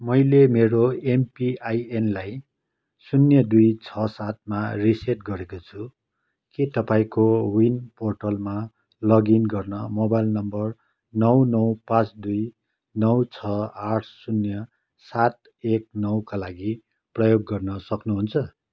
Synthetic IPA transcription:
mʌjlemeɾoempiajenlaj | sunjʌd̪ujt͡sʰʌsat̪̚mariseʈɡʌɾekot͡sʰu | kit̪ʌpãĩkowinporʈʌlma | lʌɡinɡʌrnʌmobajlnʌmbʌr | nʌwnʌwpãt͡sd̪uj | nʌwt͡sʰʌaʈʰsunjʌ | sat̪̚ | ek̚nʌwkalaɡi | prʌjoɡːʌrnʌsʌknuɦunt͡sʰʌ

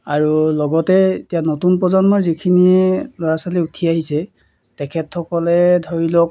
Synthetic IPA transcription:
aɹulɔɡɔtɛetianotunpɔzɔnmaɹzikʰiniɛlɔɹasaliutʰiaɦisɛ | tɛkʰɛtxɔkɔlɛdʱoɹilɔk̚

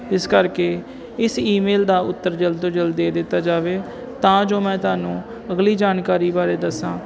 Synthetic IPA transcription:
ɪskəɾkeː | ɪsiːmeːld̪aːʊt̪ːəɾd͡ʒəld̪od͡ʒəld̪eːd̪ɪt̪ːaːd͡ʒaːʋeː | t̪ãːd͡ʒoːmɛ̃ːt̪ʊaːnũː | əɡliːd͡ʒaːnkaːɾiːbaːɾeːd̪əsãː

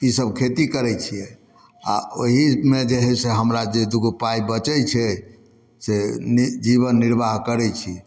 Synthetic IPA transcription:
isəb̚kʰet̪ikəɾɛt͡ʃʰijɛ | a̰oɦimed͡ʒeɦɛseɦəmɾad͡ʒed̪uɡpaibət͡ʃɛt͡ʃʰɛ | send͡ʒiβənːiɾbaɦkəɾɛt͡ʃʰi

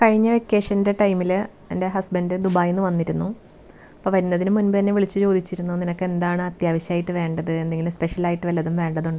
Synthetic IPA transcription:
kɐɻiɲːɐʋekːe̞ːʂɐnde̞ʈɐjmil | ḛnde̞ɦɐsbɐndided̪ubaːjenːɨʋɐnːiɾunːu | ɐpːɐːʋɐɾinːɐðinɨmunbɨt̪ɐnːe̞ʋiɭit͡ɕːɨt͡ɕo̞ːd̪it͡ɕːiɾunːuninɐkːe̞nd̪aːɳɨɐt̪jaːʋɐɕjaːjiʈːɨʋe̞ːɳɖɐðɨe̞nd̪eŋɡilumspe̞ʂɐlaːjiʈːɨʋɐlːɐðumʋe̞ːɳɖɐðuɳɖɨ

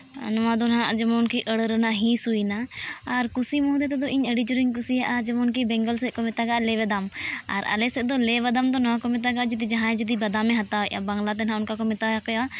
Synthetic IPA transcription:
nɔwãd̪ɔnãd͡ʒəmɔnkiʔəɽɾnaɦĩsujnaːɾkusimɔ̃d̪ɛt̪ɛd̪ɔʔiɲəɽid͡ʒuɾiɲk̬usijaʔad͡ʒɛmɔnk̬ibɛŋɡɔlsɛkɔmɛt̪aɡaʔlɛβɛd̪ama̰ɾa̰lɛsɛd̪ɔlɛβad̪amd̪ɔnɔwãkɔmɛt̪̬aɡaʔd͡ʒid̪id͡ʒaɦãɛ̃d͡ʒid̪ibɐd̪amɛɦat̪aɛʔa̰baŋɡlat̪̬ɛnãʊnkakɔmɛt̪aakɔja

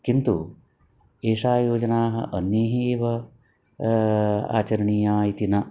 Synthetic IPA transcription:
kint̪u | eːʂaːjoːd͡ʒɐnaːɦɐ̰ʔɐnjɐɦiʋɐ | a̰ːt͡ʃɐɾɐɳiːjaːit̪inɐ

